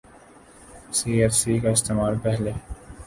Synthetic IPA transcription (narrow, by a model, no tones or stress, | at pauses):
siːeɾsiːkɑɪst̪eːmaːlpɛɦle